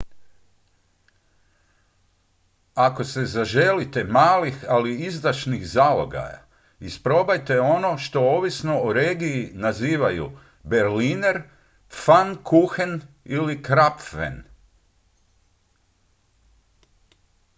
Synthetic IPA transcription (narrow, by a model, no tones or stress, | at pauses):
ako̞se̞zaʒe̞lit̪e̞maːlixaliizd̪aʃnixzalo̰ɡa̰ja̰ | ispɾo̞bajt̪e̞o̞no̞ʃt̪o̞oːʋisno̞oɾe̞ːɡiːnaziːʋajṵ | be̞ɾlineɾ | fankʰuxen | ilikɾapʋḛn